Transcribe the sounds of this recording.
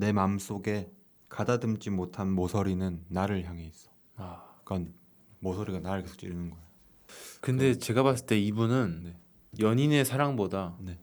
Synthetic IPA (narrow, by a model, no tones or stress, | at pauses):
ne̞mams͈oɡe̞ | kadadɯmt͡ɕ͈imotʰanmosʰʌɾinɯnːaɾɯɭçjaŋɦe̞is͈ʌ̥ | ak͈an | mosʰʌɾiɡanaɾɯɭkesʰo̥k̚t͡ɕ͈ḭɾinɯnɡʌejo | kɯnde̞t͡ɕe̞ɡabas͈ɯɭt͈e̞ibunɯnne̞ | jʌɲine̞sʰaɾaŋbodane̞